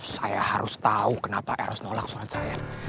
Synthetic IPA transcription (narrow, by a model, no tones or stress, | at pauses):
sajahaɾʔʊst̪aukənapaʔaɾʊsnolak̚suɾatsaja